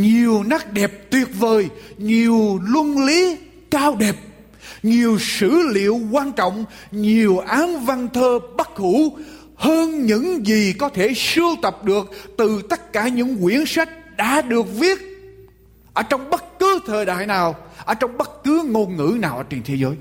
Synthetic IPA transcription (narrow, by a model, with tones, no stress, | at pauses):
ɲi˨˩əwna˦˥k̚ɗɛ˨˩p̚t̪wi˨˩ət̚vəː˨˩jɲi˨˩əwlwə˧nli˨˦ | kaː˧wɗɛ˨˩p̚ | ɲi˨˩əwsɨ̰˧˥lḭ˧˨əwkwaː˧nt͡ɕɔ̰˧˨wŋ͡mɲi˨˩əwʔaː˨˦mva˧nt̪ʰəː˧ɓə˦˥t̚hu˧˩˥ | həː˧nɲɨ̰˧˥ŋzi˨˩kɔ˨˦t̪ʰe˧˩sɨ˧əwt̪ə˨˩p̚ɗɨ˨˩ək̚t̪ɨ˨˩t̪ə˦˥t̚kaː˧˩ɲɨ̰˧˥ŋkwi˧˥ənswa˦˥jk̚ɗa̰ː˧˥ɗɨ˨˩ək̚vi˦˥ət̚ | ʔəː˧˩t͡ɕɔ˧wŋ͡mɓə˦˥t̚kɨ˨˦t̪ʰəː˨˩jɗa̰ː˧˨jnaː˨˩wʔəː˧˩t͡ɕɔ˧wŋ͡mɓə˦˥t̚kɨ˨˦ŋo˧nŋɨ̰˧˥naː˨˩wʔəː˧˩t͡ɕi˨˩nt̪ʰe˨˦zəː˨˦j